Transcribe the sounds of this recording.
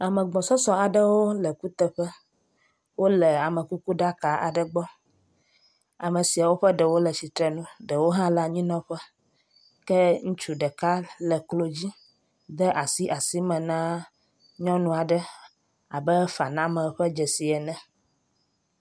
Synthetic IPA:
a˨mə̃˨ɡ͡bɔ̃˨sɔ˦sɔ̃˨a˨ɖə˦wo˦lə˨ku˦t̪ə˦ɸə˦ | wo˦lə˨a˨mə̃˨ku˦ku˦ɖa˦ka˨ʔa̰˨ɖə˨ɡ͡bɔ˦ | a˨mə˨si˨a˨wo˦ɸə˦ɖə˨wo˦lə˨si˨t̪ɾɛ˨nũ˦ɖə˨wo˦ɦã˦la˦ɲĩ˦nɔ̃˦ɸə˦ | kɛ˦ŋũ˦t͡ʃu˦ɖə˨ka˦lə˨klo˦d͡ʑi˦ | d̪ə˦ʔa˨si˦ʔa˨si˦mɛ̃˨nã˦ | ɲɔ̃˦nũ˦a˨ɖə˦ | a˨bə˦fa˨nã˦mə̃˨ɸə˦d͡ʒɛ˨si˨ɛ˨nɛ̃˨

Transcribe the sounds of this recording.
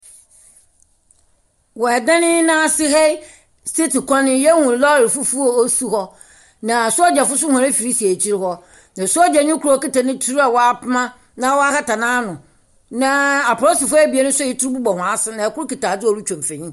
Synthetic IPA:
wɔ˨ɛ˨dã˦nɪ̃˦nã˦˨sɪ˦ɦɛ˦ | ste˦ti˨kʰɔ̃˦nɪ̃˦jɛ˦ŋũ˨lɔ˦ɪ˨fu˦fu˦o˨o˦su˦hɔ˦ | nã˨sʊ˦ɔ˦d͡ʑɛ˨fʊ˦s̬ʊ˦hã˨ã˦fi˨ɾi˦si˨e˨t͡ɕʰi˦ɾhɔ˦ | nã˨sʊ˦ɔ˦d͡ʑɛ˨ɲʊ̃˦kʰu˦ɾɔ˦˨ki˦ta˨nɪ̃˦tʰu˦u˦a˨wɔ˨a˨pmã˦ | nã˦wɔ˦a˦ha˦ta˨nãː˦nʊ̃˨ | nã˦a˨pʰʊ˨ɾɔ˦sɪ˨fʊ˦æ˦˨bi˨e˦nʊ̃˦sʊ˦ɪ˦tʊ˦ɾʊ˦bu˦bɔ˨hʊ̃˨a˨sɪ˦nã˨ɛ˨kʊ˦ki˨taː˨d͡zɪ˦ɔ˨ɾu˦t͡ɕʰᶣɔ̃˨m˨fɛ̃˨ɲĩ˦

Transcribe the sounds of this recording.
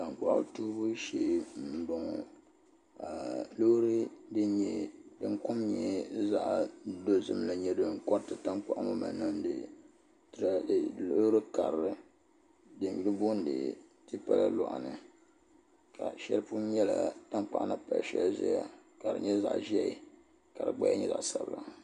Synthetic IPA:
ta˨ŋ˨k͡pa˨ʔʊ̰˦tuː˦bu˦ʃe˦n̩˨do˨ŋ˨ | a˨lo˦hɾɨ˦dɨ˦ɲɛ˦dɨ˦ŋ˦kʊ˦mɲɛ˨za˦ʔdo˦zɨ˨mla˨ɲɛ˦dɨ˦ŋ̩˦kɔ˦tɨ˨ta˦ŋ˦k͡pa˦˨ʔmo˦ma̰˨nɨ˦m˦dɨ̰˨ | tlo˦ɾɨ˦ka˨ɾɾɨ˦ | dɨ˨n˨bi˦ɨ˦bʊ˦n̩˦dɨ̰˨ | tɨ˦pa̰˦la̰˦lɔ̰˨ʔa̰˨nɨ˨ | kʰa̰˨ʃɛ˦lpu˦ɲɛ˦la̰˨ta˦ŋk͡pa̰˨ʔna˦pa̰˨lʃɛ̰˦lzɛ̰˦ja̰˨ka˨ɾɨ̰˨ɲɛ˦za̰˨ʔʒɛ˦ʔɪ˦ | ka˨ɾɨ˨ɡ͡ba˦a̰˦ɲɛ˦za̰˨ʔsa˨bla˨

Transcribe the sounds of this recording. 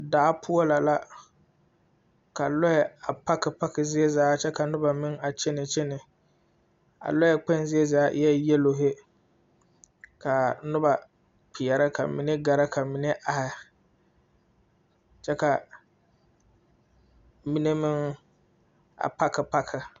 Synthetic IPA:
daː˨˦pʰʊ˦ɔ˦la˨la˦ | ka˨lɔ˦jɛ˨a˨pa˦kɪ˨pa˦kɪ˨zɪ˦e˦zaː˨˦t͡ʃɛ˦ka˨nʊ˦ba˨mɪ˦ŋa˨t͡ʃɪ˦nɪ˨t͡ʃɛ˦nɪ˨ | a̰˨lɔ˦jɛ˦k͡pɛ˦nzɪ˦e˦zaː˦ʔjɛ˦jɛ˦lo˨ɦɪ˦ | ka˨nʊ˦ba˨ | k͡pɪ˨ɛ˨ɾa˦ka̰˨mɪ˨nɪ˦ɡa˨ɾa˦ka˨mɪ˨nɪ˦ʔa˨hɪ˨ | t͡ʃɛ˦ka˨ | mi˦ne˦mɪ˦ŋ | a̰˨pa˦kɪ˨pa˦kʰɪ˨

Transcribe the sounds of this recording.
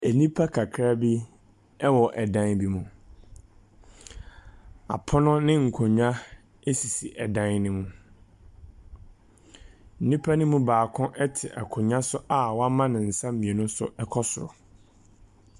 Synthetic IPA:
ɛ˨nĩ˦pʰa˦kʰa˨kʰɾa˦bi˦ | ɛ˦wɔ˨ʔɛ˨dã˦nbi˦mũ˨ | a̰˨pʰɔ˦nʊ̃˦nɪ̃˦ŋ̩˨kʰʊ̃˨ɲᶣã˦ | e˦si˨si˨ʔɛ˨dã˦nnɪ̃˦mũ˨ | n̩˦˨nĩ˦pʰa˦nʊ̃˦mũ˦baː˨kʰʊ̃˦ʔɛ˦tʰɪ˨ʔɛ̰˨kʰʊ̃˨ɲã˦sʊ˦ʔa˨wɔ˦a˦mã˦nɪ̃˨n̩˨sã˦m˦mĩ˨e˨nʊ̃˦sʊ̰˨ɛ˦kʰɔ˦sʊ˨ɾʊ˨

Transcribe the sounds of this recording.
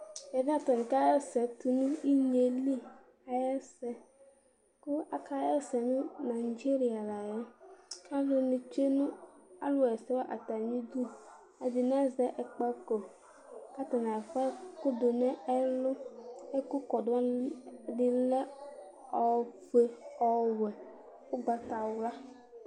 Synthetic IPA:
ɛ˨da˦t̪ɔ˨nĩ˨ka˦jɛ˦sɛ˨t̪u˨nũ˦i˦ɲe˨li˦ | a˨jɛ˦sɛ˨ | kʊ˦a˨ka˦jɛ˦sɛ˨nʊ̃˦na˨i˨d͡ʒe˦ɾi˨a˨la˨jɛ˦ka˦lʊ˨nũ˨t͡ʃe˦nũ˦a̰˦lʊ˦a˨ɛ˨sɛ˦wa˦ʔa˨t̪a˨ɲĩ˦d̪u˦ | e˨d̪i˨nã˦zɛ˦ʔɛ˨k͡pa˦ko˨ | ka˦t̪a˨nã˨ɛ˨fa˦ku˦d̪o˨nɛ̃˦e˦lo˦e˦ku˦kɔ˨dʊ˨˦a˦ɖi˨lɛ˦ | ɔ˨fe˨ɔ˨wɛ˨ | o˦ɡ͡ba˨t̪a˨wla˦

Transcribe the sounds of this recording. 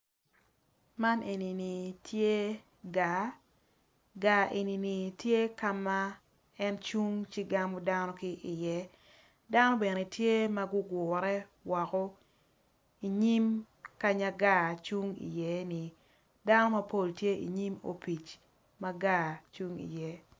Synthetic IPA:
ma˦nʔe˨ni˨ni˨tʰje˦ | ɡa˨ | ɡa˨ʔe˨ni˨ni˨tje˦ka˦ma˦ | ɛ˦nt͡ʃu˦ŋt͡ʃɪ˦ɡa˦mɔ˦da˦nɔ˦kɪ˦ʔɪ˨jɛ˦ | da˦nɔ˦be˨ne˨tje˦ma˦ɡʊ˦ɡwʊ˨ɾɛ˦wa˨kɔ˦ | i˨ɲi˦m | ka˦ɲa˦ɡa˦˨t͡ʃu˦ŋḭ˨jɛ˦ni˨ | da˦nɔ˦ma˦po˦˨ltje˦ʔḭ˨ɲi˦mo̰˨pi˨t͡ʃ | ma˦ɡa˦˨t͡ʃu˦ŋḭ˨jɛ˨

